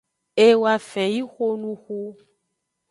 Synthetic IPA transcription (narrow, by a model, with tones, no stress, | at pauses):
e˦wa˨fɛ˨ji˦xo˦nũ˦xu˧